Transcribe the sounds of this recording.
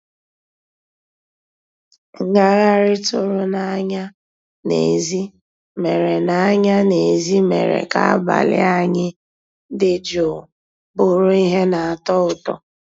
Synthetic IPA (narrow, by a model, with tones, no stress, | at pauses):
ŋ̩˨ŋa˦ɣa˦ɾɪ˦tʊ˦ɾʊ˦na˨a˦ɲa˦ | nḛ˨zi˦ | me˨ɾe˨na˨a˦ɲa˦ne˨zi˦me˨ɾḛ˨ka̰˦a̰˦ba̰˨lɪ̰˦a˦ɲɪ˦ | dɪ˦d͡ʒo˨ | bʊ˦ɾʊ˦i˦ɦe˦na˨a˨tɔ˦ʊ˨tɔ̰˨